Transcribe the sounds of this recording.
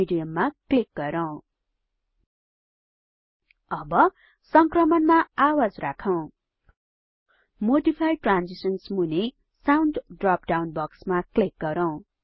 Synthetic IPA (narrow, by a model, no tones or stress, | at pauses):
iɖijʌmːaklik̚ɡʌɾʌw̃ | ʌbʌ | sʌŋkrʌmʌnmaawad͡zrakʰʌw̃ | moɖipʰajʈrand͡zisʌnsmune | sawnɖɖrap̚ɖawnbʌksmaklik̚ɡʌɾʌw̃